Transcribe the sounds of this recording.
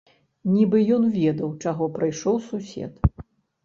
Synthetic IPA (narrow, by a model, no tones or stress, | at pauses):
nʲibɨjɔnvʲɛd̪ɐwt͡ʂaɣɔpɾɨjʂɔwsusʲɛ̰t̪